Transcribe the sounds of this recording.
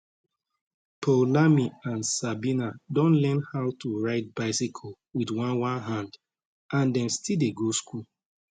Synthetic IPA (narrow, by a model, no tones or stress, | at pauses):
pʰolamiãnsabinadõnlɛnhaʊtuɹaɪt̚baɪsikʰɔ | widwãnwãnɦãnd | ãndɛ̃mstildeɡoskul